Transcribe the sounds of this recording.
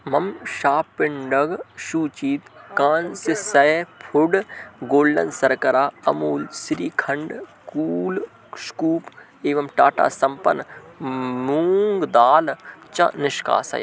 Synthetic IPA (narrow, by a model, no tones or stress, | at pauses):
mɐmʃaːpːɪɳɖɐɡʃuːt͡ʃiːt̪kaːnsɪsɐpʰʊɖɡoːlɖɐ̰nsɐɾkɐɾaːɐ̰muːlsɾiːkʰɐ̃ɳɖkuːl | skuːp | eːʋɐmʈaːʈa̰ːsɐmpɐ̰n | muːŋɡd̪aːlt͡ʃɐ̰̃nɪʃka̰ːsɐ̰j